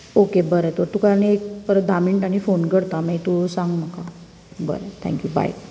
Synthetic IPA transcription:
okebəɾət̪oɾt̪ukanek̚kəɾəd̪amiɳʈaɽ̃ifonɡəɽt̪amait̪usãŋɡm̤əka | bə̰ɾət̪ʰɛ̰̃ŋkjuba̰j

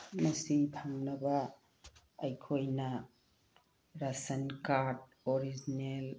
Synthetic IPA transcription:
mɐsipʰaŋnɐbaː | jkʰojnɐ | ɾasɐnkaɾd̚ | ɔɾid͡ʒinel

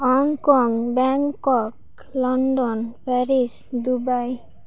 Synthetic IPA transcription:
ɦɔŋkɔŋbɛŋkɔk | lɔnɖɔnpʰɛɾis | d̪ubaj

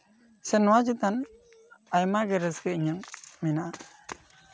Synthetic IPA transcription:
sɛnːwad͡ʒit̪an | ajmaɡeɾəskeɲəŋmina

